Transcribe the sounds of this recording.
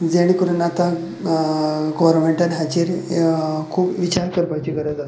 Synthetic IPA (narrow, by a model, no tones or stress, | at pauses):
d͡zaɽ̃ikəɾənat̪a | ɡɔʋəɾnmeɳʈənɦad͡ʑeɾ | kʰuːpʋit͡ɕaɾkəɾpajt͡ɕiːkəɾəd͡z̪at̪